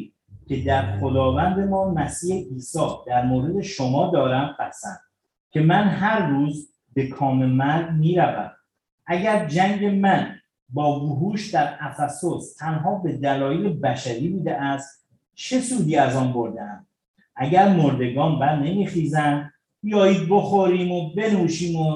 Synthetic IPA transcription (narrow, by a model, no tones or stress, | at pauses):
cʲʰe̞d̪æɾχod̪ɒːvænd̪e̞mɒːmæsiːheʔiːsɒːd̪̥æɾmoːɾe̞d̪e̞ʃomɒːd̪ɒːɾæmbæsænd̪̥ | cʰe̞mænɦæɾːuːz | be̞kʰɒːme̞mæɾd̪miːɾævæ̰m | ʔæɟæɾd͡ʒæŋɟe̞mæn | bɒːboɦuːʃd̪æɾæfæso̞st̪ʰænɦɒːbe̞d̪ælɒːjelebæʃæɾiːbuːd̪eʔæst̪ | t͡ʃʰe̞suːd̪iːæzɒːnbo̞ɾd̪eæm | ʔæɟæɾmoɾd̪e̞ɡɒːnbæɾne̞miːχiːzænd̪ | b̥ijɒːjiːd̪̚bo̞xoɾiːmobe̞nuːʃiːmo